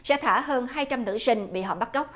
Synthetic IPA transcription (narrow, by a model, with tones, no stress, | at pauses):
sɛ̰˧˥t̪ʰaː˧˩ɦəː˧nɦaː˧jt͡ɕa˧mnɨ̰˧˥sï˧ŋ̟ɓḭ˧˨ɦɔ̰˨˩p̚ɓa˦˥t̚kə˦˥k͡p̚